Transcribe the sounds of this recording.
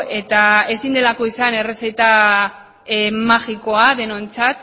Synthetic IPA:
e̞t̪ae̞sind̪e̞lako̞isane̞re̞set̪a | maɣiko̞aðe̞no̞ent͡sat̪

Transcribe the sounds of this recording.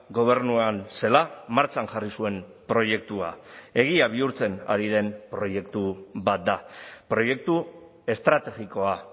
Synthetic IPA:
ɡo̞β̞e̞ɾnuanse̞lamaɾt͡sanʝarisue̞m | pɾo̞je̞k̚t̪ua̰e̞ɣ̞iaβ̞iuɾt͡se̞na̰ɾiðe̞mpɾo̞je̞kt̪uβat̪̚d̪apɾo̞je̞k̚t̪u | e̞st̪ɾat̪e̞ɣiko̞a

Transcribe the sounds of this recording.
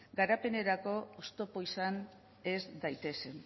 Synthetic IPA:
ɡaɾape̞ne̞ɾako̞ːst̪o̞po̞isan | e̞zd̪ajt̪e̞se̞n

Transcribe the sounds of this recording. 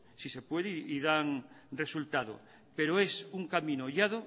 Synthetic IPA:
sise̞pweðeiðaŋ | re̞sult̪aðo̰ | peɾoesuŋkamĩnoʎaðo

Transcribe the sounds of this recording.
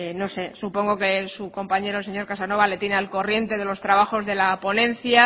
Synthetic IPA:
no̞se̞supo̞ŋɡo̞ke̞suko̞mpaɲe̞ɾose̞ɲo̞ɾkasano̞β̞ale̞t̪je̞nealko̞rje̞nt̪e̞ðe̞lo̞st̪ɾaβ̞axo̞zðe̞lapo̞nẽ̞n̟θja

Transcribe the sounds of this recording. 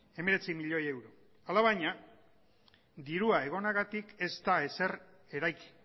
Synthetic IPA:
e̞me̞ɾe̞t͡simiʎo̞je̞wɾo̞ | alaβ̞aɲa | d̪iɾuae̞ɣ̞o̞naɣat̪ike̞st̪ae̞se̞ɾ | e̞ɾajki̥

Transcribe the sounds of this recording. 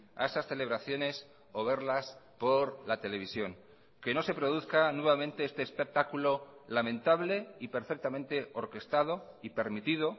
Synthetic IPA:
a̰e̞sasθe̞le̞βɾaθjo̞ne̞s | o̞β̞e̞ɾlaspo̞ɾlat̪e̞le̞β̞isjo̞ŋ | ke̞no̞se̞pɾo̞ð̞uθkanwe̞βamẽnt̪e̞est̪eːspek̚t̪akulo̞lamẽ̞nt̪aβle̞ipe̞ɾfe̞k̚t̪amẽnt̪e̞o̞ɾke̞st̪að̞o̞ | ipe̞ɾmit̪ið̞o̞

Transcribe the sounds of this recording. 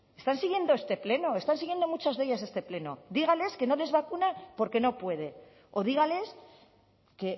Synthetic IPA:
e̞st̪ansiɣje̞nd̪oest̪e̞ple̞no̞e̞st̪ansiɣje̞nd̪o̞mut͡ʃazðe̞ʝas̬e̞st̪e̞ple̞no̞ðiɣ̞ale̞ske̞no̞le̞zβakunapo̞ɾke̞no̞pwe̞ð̞e̞ | o̞ð̞iɣ̞ale̞s | ke̞

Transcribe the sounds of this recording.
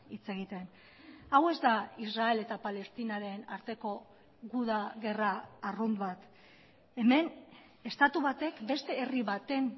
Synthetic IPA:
it͡se̞ɣ̞it̪e̞n | awe̞zd̪aisrae̞le̞t̪apale̞st̪inaɾe̞naɾt̪e̞ko̞ | ɣuðaɣe̞raːrund̪βat̪ | e̞me̞n | e̞st̪at̪uβat̪e̞kbe̞st̪e̞ːriβat̪e̞n

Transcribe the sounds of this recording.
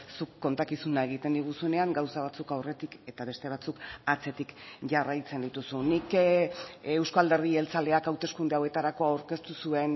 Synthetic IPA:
sukːo̞nt̪akisunae̞ɣ̞it̪e̞nd̪iɣ̞usuene̞aŋɡawsaβat͡sukawre̞t̪ike̞t̪aβe̞st̪e̞β̞at͡sukat͡se̞t̪ikʝarajt͡se̞nd̪it̪usunik | ewskoald̪e̞ɾð̞ie̞lt͡sald̪e̞akawt̪e̞skund̪eawe̞t̪aɾako̞awɾke̞st̪usue̞n

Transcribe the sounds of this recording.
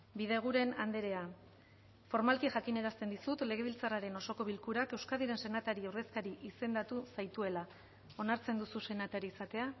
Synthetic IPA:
bið̞e̞ɣ̞uɾe̞nand̪eɾe̞a | fo̞ɾmalkiʝakine̞ɾast̪e̞nd̪isut̪le̞ɣ̞e̞β̞ilt͡saraɾe̞no̞so̞ko̞β̞ilkuɾake̞wskaðiɾe̞nse̞nat̪aɾiawɾðe̞skaɾiʔise̞nd̪at̪usajt̪ue̞la | o̞naɾt͡se̞nd̪ususe̞nat̪aɾiːsat̪e̞a

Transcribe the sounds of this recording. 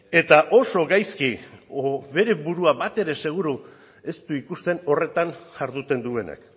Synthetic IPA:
e̞t̪aʔo̞so̞ɣajskioβe̞ɾe̞βuɾuaβat̪e̞ɾe̞se̞ɣ̞uɾu | e̞st̪uikust̪e̞no̞re̞t̪anhaɾðut̪e̞nd̪ue̞na̰k

